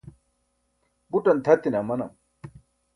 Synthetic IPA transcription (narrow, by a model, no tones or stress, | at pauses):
buʈɐnt̪ʰɐt̪inamɐnɐ̰m